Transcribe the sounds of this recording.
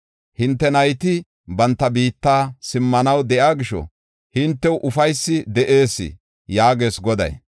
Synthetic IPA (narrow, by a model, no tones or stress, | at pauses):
hɪnt̪ːɛnɐjt̪ɪ | bɐnt̪ːɐbiːt̪ːaːsɪmːɐnɐwd̪ɛʔaːɡɪʃɔ̰ | hɪnt̪ːɛwʔʊfɐjsːɪd̪ɛʔe̞ːsːɪ̰ | jaːɡe̞ːsɡɔd̪ɐ̰j